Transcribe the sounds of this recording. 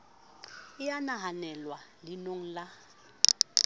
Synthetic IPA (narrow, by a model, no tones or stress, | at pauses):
ɪjanaɦanɛlwalinoŋ̩la